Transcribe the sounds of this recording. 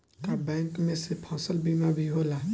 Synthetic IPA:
t̪abɛ̃ːŋkmẽsepʰɔ̃ːsəlbiːmabʱiɦoːlaː

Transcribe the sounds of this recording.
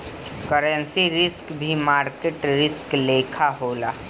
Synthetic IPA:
kəɾənsiɾɪskbʱimaːɾkeʈɾɪskleːkʰaɦoːlaː

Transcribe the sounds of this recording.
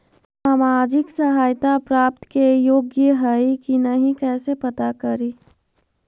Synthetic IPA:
saːmaːd͡ʒɪksɐɦaːjt̪apɾaːp̚t̪kejoːɡjəɦɐikinɐɦĩkɛːsepɐt̪akɐɾi

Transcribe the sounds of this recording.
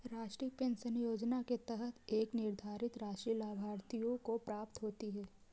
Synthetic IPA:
ɾaːʃʈɾiːpẽːnsənjoːd͡ʒnaket̪əɦət̪ʰeːknɪɾd̪ʱaːɾɪt̪ɾaːʃɾiːlaːbʱaːɾt̪ijõkopɾaːp̚t̪ɦoːt̪iɦɛː

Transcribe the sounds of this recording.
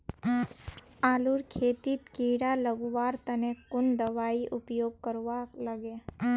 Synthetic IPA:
aːluɾkʰeːt̪it̪kiɽaləɡʋaːɾt̪ɐnekʊnd̪əʋaːiʔʊpjoːɡ̚kəɾʋaləɡe

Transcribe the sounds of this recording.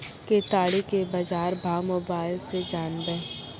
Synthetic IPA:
ket̪aːɽikebɐd͡ʒaːɾbʱaːwmoːbaːɪlsed͡ʒaːnbɛː

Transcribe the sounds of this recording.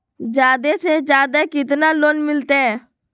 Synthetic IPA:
d͡ʒaːd̪eːsẽːd͡ʒjaːd̪aːkɪt̪naːloːnmɪlt̪eɛː

